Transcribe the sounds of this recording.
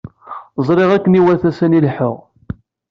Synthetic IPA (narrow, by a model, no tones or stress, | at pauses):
zˤɾˤeʁækːəniwæθæsænilħəʁ